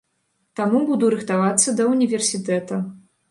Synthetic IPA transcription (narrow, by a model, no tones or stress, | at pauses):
t̪amubud̪uɾɨxt̪avat̪sːɐd̪ɐunʲivʲɛrsʲit̪ɛt̪ɐ